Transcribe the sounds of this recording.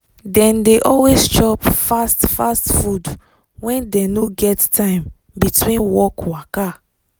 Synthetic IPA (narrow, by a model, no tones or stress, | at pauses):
dɛ̃ndeʔɔlwest͡ʃɔpfastfastfud | wɛ̃ndɛ̃noɡɛttʰãɪ̃m | bitwĩnwɔkwaka